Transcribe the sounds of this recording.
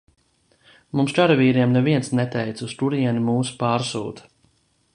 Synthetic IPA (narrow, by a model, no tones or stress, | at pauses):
mumst͡ʃaɾviːɾiɛmnɛviɛnsnɛt̪ɛjt̪sust̪uɾiɛnimuːsu̥paːɾsṵːt̪